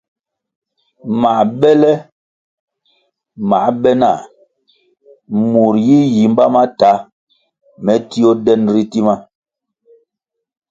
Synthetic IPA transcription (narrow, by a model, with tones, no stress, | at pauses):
ma˨bɛ˦lɛ˦ | ma˨˦ɓɛ˦na˨ | mu˨ɾji˦ji˨m˦ba˦ma˦ta˨˦ | mɛ˨˦ti˦o˦dɛ˦nɾi˦ti˦ma˦